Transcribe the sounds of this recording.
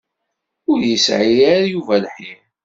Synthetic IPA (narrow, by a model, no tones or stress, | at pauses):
ʊɾjəsʕijaɾjuvælħim